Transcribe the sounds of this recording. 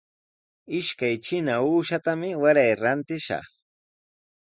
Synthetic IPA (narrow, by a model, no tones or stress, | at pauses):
ɪʃkajt͡ʃɪnauːʃat̪amɪwaɾajɾant̪ɪʃɑ̰χ